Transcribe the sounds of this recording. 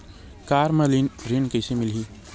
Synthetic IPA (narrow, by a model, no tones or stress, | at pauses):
kaːɾməlinɾenkɐɪsemɪlɦiː